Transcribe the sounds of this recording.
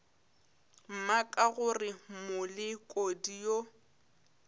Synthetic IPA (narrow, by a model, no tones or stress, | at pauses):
m̩makʼaɣʊrɪmʊlɪkʼodijo